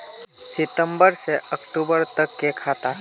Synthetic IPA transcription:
sɪt̪əmbəɾseəkʈubəɾt̪əkːekʰat̪a

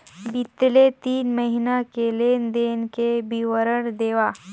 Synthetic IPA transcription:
bit̪let̪iːnməɦinakelend̪enkebiʋəɾəɽd̪eʋa

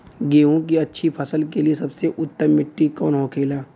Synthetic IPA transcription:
ɡeːʋõkiɐtːʃʰipʰɐsəlkeliesɐbseʔʊt̪ːəmːɪʈːikɔːnɦoːkʰeːlaː

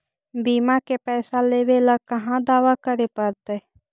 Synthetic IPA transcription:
biːmakepɛːsaleːʋeləɡ̚kəɦãd̪aːʋakəɾepəɾt̪eː

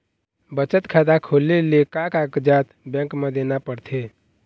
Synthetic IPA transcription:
bət͡ʃət̪kʰad̪akʰolelekakakd͡ʒat̪bɛ̃ŋkmed̪enapəɽt̪ʰe

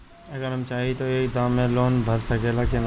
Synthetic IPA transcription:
ɐɡəɾɦɐmt͡ʃaːɦit̪oeːkd̪aːmːẽloːnbʱɐɾsɐkʰeːlaken

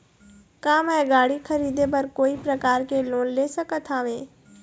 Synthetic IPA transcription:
kaːmɛ̃ːɡaːɽixʰɐɾiːd̪epɐɾkoːipɾɐkaːɾkeloːnleːsɐkət̪ʰaːʋeː

